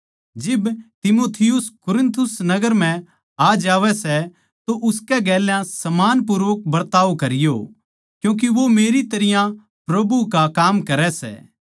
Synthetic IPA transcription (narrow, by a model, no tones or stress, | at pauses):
d͡ʒɪbt̪ɪmoːt̪ʰɪjʊskʊɾɪ̃nt̪ʰʊsnɐɡəɾm̤ɛ̃ | aːd͡ʒaːʋɛsɛ | t̪oʔʊskɛɡɛːljãsɐmaːnp̬ʊɾəʋk̚bɐɾt̪aːʋkɐɾɪjo̰ | kjũːk̬iʋomeːɾit̪ɐɾɪjã | pɾɐbukakaːmkɐɾɛsɛ̰ː